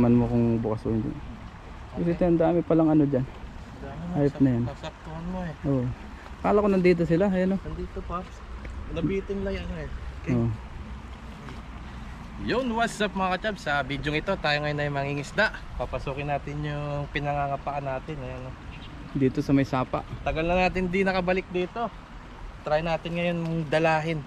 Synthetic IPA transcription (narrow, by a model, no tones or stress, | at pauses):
mɐnmokʊŋbʊkɐskoɪnd̪ɪ̰n | kosɪt̪oʔɐnd̪aːmɪpɐlɐŋɐno̞d͡ʒan | aːjop̚nɐjansɐk̚t̪ʊɐnmoɛʔoːʔo | kaːlɐkonɐnd̪iːt̪̬o̞sɪlajanoɐnd̪iːt̪opɐ | nɐbiːt̪ɪnlɐjɐnoɛʔoːʔ | jʊŋwat̪sap̚mɐŋakɐt͡ʃabsɐbid̪joŋɪt̪o̞t̪aːjoŋɐjonɐjmɐŋiŋɪsd̪aʔ | papɐsuːkɪnːaːt̪ɪnjʊŋpɪnɐŋaŋɐpɐʔanːaːt̪ɪnɐjɐno | d̪iːt̪o̞sɐmɐjsaːpɐ̰ʔt̪ɐɡɐlnɐnaːt̪ɪnd̪inɐkɐbɐlɪk̚d̪iːt̪o̞ | t̪ɾajnaːt̪ɪnŋɐjonŋd̪ɐlaːɦɪn